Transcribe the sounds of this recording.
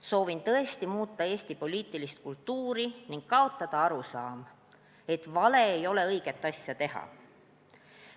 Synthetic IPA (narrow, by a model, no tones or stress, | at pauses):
so̞ːvint̪ɤ̞e̞st̪imuːt̪ːˑɑeːst̪ipo̞liːt̪ːˑilist̪̚kult̪ːuːɾiniŋɡ̥̚kɑo̞t̪ːˑɑd̪̥ɑɑɾusɑːm | e̞t̪ˑvɑle̞ːjo̞le̞ɤjɡ̥e̞t̪ˑːɑsʲjɑt̪e̞ɦɑ̰